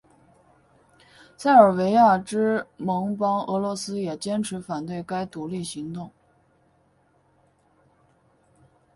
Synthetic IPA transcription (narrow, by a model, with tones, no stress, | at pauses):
sʰa˥˩ɪə˞˨˩we˧˥ɪja˥˩ʈ͡ʂɻ̩˥mɤ˧˥ŋpɑ˥ŋɤ˧˥lwɔ˧˥sɹ̩˥jɛ˨˩t͡ɕjɛ˥nʈ͡ʂʰɻ̩˧˥fa˨˩nt̪we˥˩ɪka˥ɪt̪u˧˥li˥˩ɕi˧˥ŋt̪ʊ˥˩ŋ